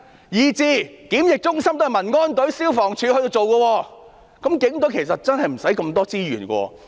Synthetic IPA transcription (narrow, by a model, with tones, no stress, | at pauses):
jiː˨t͡siː˧˩kiː˨˥mjɪ˨k̚t͡ʃʊ˥ŋsɐ˥mt̪ːmɐ˨˩nŋɔː˥nt̪ɵ˨˥ɥsiː˥wfɔː˨˩ŋt͡ʃʰy˨˧hɵ˧jt̪o˧wt͡so˨wkɔː˧wɔː˧ | kɐ˨˥mkɪ˨˥ŋt̪ɵ˨˥ɥkʰe˨˩jsɐ˨t̚t͡sɐ˥nɦɐ˨jm̩˨˩sɐ˨˥jkɐ˧mt̪ɔː˥t͡siː˥jy̰ː˨˩nkʷɔ̰ː˧